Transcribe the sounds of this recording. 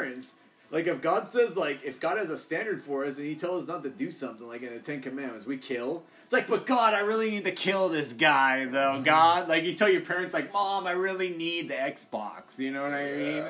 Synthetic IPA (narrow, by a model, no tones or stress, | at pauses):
ɨ̃nts | lʔaɪkɨfɡ̥ɑdsɛzlaɪkɨfɡ̥ɑɾ̚ɨzəstæ̃ndə˞d̥fə˞ʌsɨ̃nitʰɛlˠʌsnətɨdɨsʌ̃mθɪ̃ŋlaɪkɨ̃nðɨtʰɛ̃nkɨmæ̃nmɨ̃nswikʰɪlˠ | tslaɪk̚b̥ʌt̚ɡ̥ɑɾaɪɹɪlˠinid̚tɨkʰɪlˠðɪsɡ̥aɪðoʊɡɑd̚laɪkjɨtʰɛlˠjə˞pʰɛɹɨ̃ntslaɪk̚mɑ̃maɪɹɪlˠinid̪̚ðiɛksb̥ɑ̰ksjɨñoʊwə̃naɪ